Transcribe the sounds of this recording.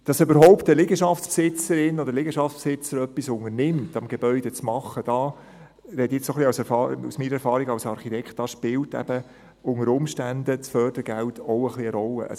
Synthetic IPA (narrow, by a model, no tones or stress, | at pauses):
d̥ɑsøbəɾɦɔʊptəlɪɡəʃɑft͡spsɪt͡səɾɪnɔdəlɪɡəʃɑft͡spsɪt͡səɾœpːisʊŋəɾnɪmtɑmɡeb̥œʏdɛt͡smɑχːəd̥ɑː | ɾɛtjɪt͡ssoχliɑʊsɛɾfɑṵsmiːɾəɛɾfɑːɾiɡɑwsɑɾχitʰɛkχt̚d̥ɑʃpɪltɛ̰b̥ə | ʊŋəɾʊmʃtændət͡sfœːrd̥əɾəɡæltɔʊəχliəɾɔlːə̰ʔɑ̰